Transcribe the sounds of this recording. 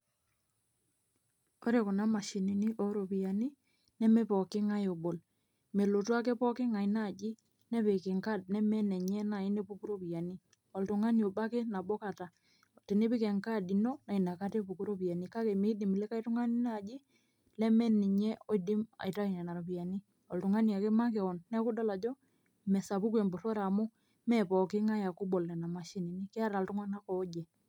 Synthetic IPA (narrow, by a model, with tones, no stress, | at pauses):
o˦ɾe˨ko˨na˦ma˨ʃi˨ni˨ni˦ʔo˦ɾo˨pi˨a˨ni˦ | nɛ˦mɛ˦pɔ˨kɪ˦ŋa˦jo˨bo˨l | me˨lo˨twa˦kɛ˦pɔ˦kɪ˦ŋa˨i˦na˦˨d͡ʒi˦ | nɛ˦pe˨ke˨ŋka˦d̚nɛ˦mɛ˦nɛ˨ɲɛ˦na˨i˦ne˦pu˦ku˦ɾo˦pi˨a˨ni˦ | ɔ˨ltʊ˨ŋa˦njo˨ba˦kɛ˦na˨bo˦ka˨ta˨ | ti˨ne˦pi˦kɛ˨ŋka˦di˨no˦na˨i˨na˨ka˦te˦pu˨ku˦ɾo˦pi˨a˨ni˦ka˦ke˨me˦di˨m˨lɛ˦ka˦i˦tu˦ŋa˦ni˦na˨d͡ʒi˦ | lɛ˦mɛ˦ni˨ɲɛ˦o˦˨idi˦ma̰˨i˨ta˦i˨ɲɛ˨na˨ɾo˨pi˨a˨ni˦ | ɔ˨ltu˨ŋa˦nia˨ke˦ma˦kɛ˨ɔ˨nːɛ˦ku˦da˦la˨d͡ʒɔ˦ | mɛ˨sa˨pu˦kwe˨mbo˨to˦ɾa˨mʊ˦ | mɛ˦pɔ˨kɪ˦ŋa˦ja˨ku˦bɔ˨lɛ˨na˨ma˨ʃi˦ni˨ni˦ke˦a˦ɾa˨ltu˦ŋwa˦na˦kɔ˨˦d͡ʒɛ˨